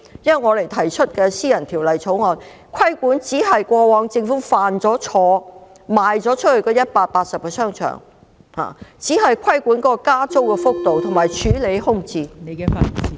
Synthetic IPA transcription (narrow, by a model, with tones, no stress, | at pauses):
jɐ˥nwɐ˨˩ŋɔː˨˧le˨˩jt̪ʰɐ˨˩jt͡ʃʰɵ˥t̚kɛ˧siː˥jɐ˨˩nt̪ʰiː˨˩wlɐ˨jt͡sʰo˨˧˥wŋɔː˨˧n | kʰɐ˥jkʷuː˨˥nt͡siː˨˥ɦɐ˨jkʷɔː˧wɔː˨˧ŋt͡sɪ˧ŋfuː˨˥faː˨nt͡sɔː˨˥t͡ʃʰɔː˨˧ | maː˨jt͡sɔː˨˥t͡ʃʰɵ˥t̚hɵ˧ɥkɔː˧jɐ˥t̚paː˧t̚paː˧t̚sɐ˨p̚kɛː˧sœː˥ŋt͡ʃʰœ̰˨˩ŋ | ha̰ː˨t͡siː˨˥ɦɐ˨jkʰɐ˥jkʷuː˨˥nkɔː˨˦˥kɔː˧kaː˥t͡so˥wkɛ˧fʊ˥k̚t̪o˨wt̪ʰʊ˨˩ŋmaː˨˩jt͡ʃʰyː˨˥le˨˧jhʊ˥ŋt͡siː˧ne˨˧ɛ˧fa̰˨˩ni˨